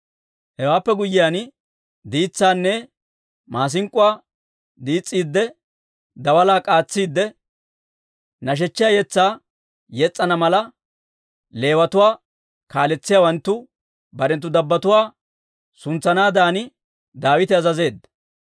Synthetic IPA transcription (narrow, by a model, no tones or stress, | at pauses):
hɛwaːpːɛɡʊjːɪjaːn | d̪iːt͡sːaːnːɛ | maːs̬ɪŋkʼːʊwaː | d̪iːt͡sʼːiːd̪ːɛ | d̪ɐwɐlaːkʼaːt͡sːiːd̪ːɛ | nɐʃ̬ɛt͡ʃːɪjaːjɛt͡sːaː | jɛt͡sʼːɐnɐmɐlɐ | le̞ːwɐt̪ʊwaː | kaːlɛt͡sːɪjaːwɐnt̪ːʊ | bɐɾɛnt̪ːʊd̪ɐbːɐt̪ʊwaː | sʊnt͡sːɐnaːd̪aːnɪ | d̪aːwɪt̪ɪɐzɐze̞ːd̪ːɐ